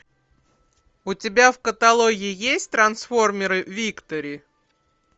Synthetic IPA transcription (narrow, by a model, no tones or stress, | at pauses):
ʊtʲɪbʲafkət̪ɐlˠoɡʲɪɪjesʲtʲt̪ɾɐnsfo̞rmʲɪɾɨvʲikt̪əɾʲɪ